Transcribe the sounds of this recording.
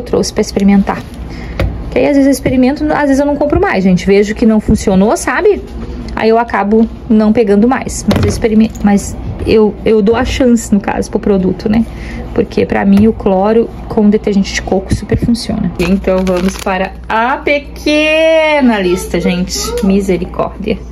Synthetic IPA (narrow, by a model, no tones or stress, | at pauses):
t̪ɾo̰sɪ̥pɾɐispeɾimẽnt̪a̰ | kaiazvezewispeɾimẽnt̪ʊazvezewnɐ̃w̃kõpɾʊmajzʒẽnt͡ʃɪveʒʊkɪnɐ̃w̃fũsionosabɪ | a̰iewakabʊ | nɐ̃w̃peɡɐ̃nd̪ʊma̰jsmɐzewispeɾimẽmɐzewewd̪owɐʃɐ̃sɪ̥nʊka̰zʊpɾʊpɾod̪ut̪ʊnɛ | poɾkʰepɾɐ̰mĩʊklɔɾʊ | kʰõd̪et̪eɾʒẽnt͡ʃɪd͡ʒɪ̥kokʊ̥supeɾfũsiõ̰nɐɪẽnt̪ɐ̃w̃vɐ̃mʊspaɾɐ | ɐpekʰenɐlist̪ɐʒẽnt͡ʃɪ̥mizeɾikʰɔ̰ɾd͡ʒiɐ